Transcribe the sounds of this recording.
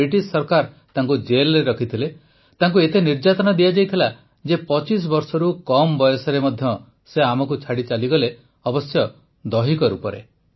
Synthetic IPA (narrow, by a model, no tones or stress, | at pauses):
ɾiʈissɔɾkaɾ | t̪aŋkud͡ʒelɾeɾɔkʰit̪ʰile | t̪aŋk̬uet̪eniɾd͡ʒat̪ɔnad̪ijad͡ʒajt̪ʰila | d͡ʒepɔt͡ʃis̬bɔɾsɔɾukɔmbɔjɔsɔɾemɔd̪ʱjɔ | seamɔkut͡ʃʰaɽit͡ʃaliɡɔle | ɔbɔsjɔ | d̪ɔɦikɔɾṵpɔɾḛ